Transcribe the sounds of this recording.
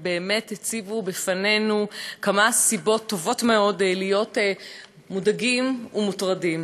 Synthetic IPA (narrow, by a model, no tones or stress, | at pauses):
be̞ːme̞thet͡sivubefane̞nukamasibo̞tːo̞vo̞tme̞o̞dlijo̞t | mudaɡimumutʁadim